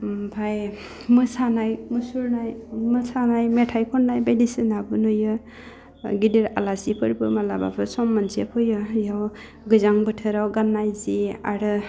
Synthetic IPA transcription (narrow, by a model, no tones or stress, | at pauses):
pʰaj | mɯsanajmɯsuɾnajmɯsanajmetʰajkʰɔnnajbedisinabɯnojɯ | ɡidiɾa̰lasipʰɯɾbɯmalaba̰pʰɯsɔmːansepʰɯjɯjaw | ɡɯzaŋbɯtʰɯɾawɡanːajzia̰ɾɯ